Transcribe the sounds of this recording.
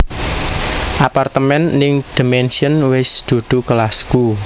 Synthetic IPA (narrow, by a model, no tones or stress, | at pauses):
ʔapart̪əmɛnːɪŋd̪̥i̤mɛnsiənwɪsd̪̥o̤d̪̥ṳkəlasku